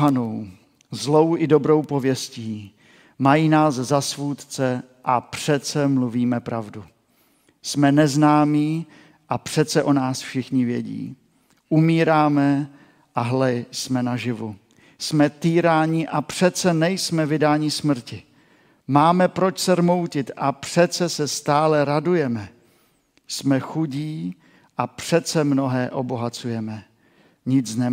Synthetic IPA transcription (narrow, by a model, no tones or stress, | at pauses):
ɦanow | zlo̞wʔɪdo̞bɾo̞wpo̞vjɛsciː | majiːnaːszasvuːt̪t͡sɛ | ʔapr̥ɛt̪t͡sɛmluviːmɛpɾavdu | smɛnɛznaːmiː | ʔapr̥ɛt͡sɛʔo̞naːsfʃɪxɲɪvjɛ̰ɟḭː | ʔumiːɾaːmɛ | ʔaɦlɛsmɛnaʒɪvu | smɛt̪iːɾaːɲɪʔapr̝̥ɛt̪t͡sɛnɛjsmɛvɪdaːɲɪsmr̩cɪ | maːmɛpɾo̞t͡ʃsɛɾmo̞wcɪt̪ʔapr̝̥ɛt͡sɛsɛst̪aːlɛɾadujɛmɛ | smɛxuɟiː | ʔapr̥ɛt͡sɛmno̞ɦɛːʔo̞bo̞ɦat͡sujɛmɛ | ɲɪt͡snɛ